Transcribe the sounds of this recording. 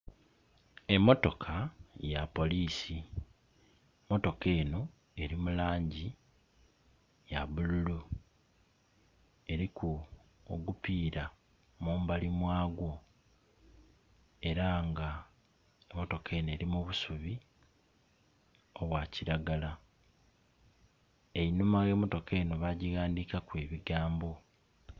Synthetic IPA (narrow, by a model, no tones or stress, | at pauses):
e̞mːo̞to̞kʰajapo̞liːsi | mo̞to̞ke̞ːno̞ | e̞ɾimulaːɲɟi | jaβululu | e̞ɾikʰu | o̰ɡupiːɾa | muːmbalimwaːɡwo̞ | e̞ɾaŋɡa | emo̞to̞kʰe̞ne̞ːɾimuβusuβi | o̞βwaːciɾaɡala | e̞inumaje̞ːmo̞to̞ke̞noβaɟiɣaːndikakwe̞ːβiɡaːmbo̞